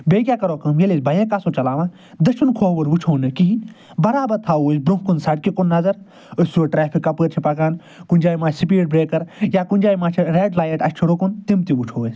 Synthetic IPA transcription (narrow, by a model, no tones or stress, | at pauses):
beːɡʲjaːkɐɾoːkɐmjelisbɐjẽːkaːsot͡ʃɐlaːʋãː | d̪ɐʃʰunkʰoːʋɐɾʋut͡ʃʰoːnɨkiɦĩ | bɐɾaːbɐɾt̪ʰaːoːsbɾũkunsɐɽkikunːɐzɐɾ | ɨsʲsuːʈɾeːpʰikːɐpəːɾt͡ʃʰipɐkaːn | kund͡ʒaːjmaːt͡ʃsip̬iːʈ̚bɾeːkɐɾjaːkund͡ʒaːjmaːt͡ʃʰiɾeːɖlaːjɐʈɐsʲt͡ʃʰuɾukunt̪imt̪iʋut͡ʃʰoːəsʲ